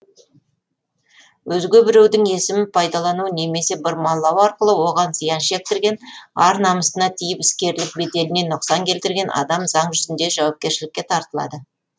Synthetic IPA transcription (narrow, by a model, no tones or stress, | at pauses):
wʔɵzɡʲebɪɾewd̪ɪŋe̞sɪmɪnpʰɑjd̪ɑlˠɑnune̞me̞se̞bəɾmɑlˠːɑwɑɾqəlˠəwo̞ʁɑnzəjɑnʃe̞k̚t̪ɪɾɡʲe̞nɑɾnɑməst̪ənɑt̪ʰijɪpɪ̥skʲe̞ɾlɪk̚be̞d̪e̞lɪne̞nʊqsɑŋkʲʰe̞lt̪ɪɾɡʲe̞nʔɑ̰d̪ɑmzɑɴʒʏzɪnd̪e̞ʒɑwɑp̚kʲe̞ɾʃɪlɪkʲːe̞t̪ʰɑɾt̪əlˠɑ̰d̪ə